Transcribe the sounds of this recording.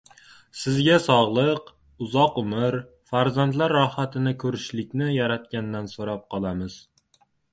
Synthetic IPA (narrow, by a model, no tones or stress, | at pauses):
sɪzɡʲasɒʁlˠɨq | ʊzɒqʊmɪɾ | faɾzant̪laɾːɒhat̪ʰɪnɪkʰɵɾɪʃlɪkʲnɪjaɾat̪̚kʲand̪ansoɾɑp̚qʰɒlˠamɪz̥